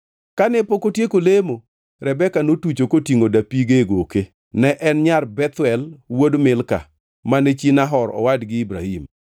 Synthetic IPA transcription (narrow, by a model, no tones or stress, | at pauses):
kanɛpokotjekolemo | ɾɛbɛkanotut͡ʃokotiŋodapiɡeɡoke | nɛʔɛnɲarbɛt̪wɛlwodmɪlka̰ | manɛt͡ʃinaɦɔɾɔ̰wadɡɪibɾa̰him